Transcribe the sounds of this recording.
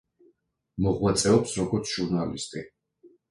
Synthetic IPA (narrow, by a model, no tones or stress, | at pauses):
mɔʁwat̪sʼɛɔpsɾɔɡɔɾt̪sʰʒ̥uɾnalḭst̪ʼi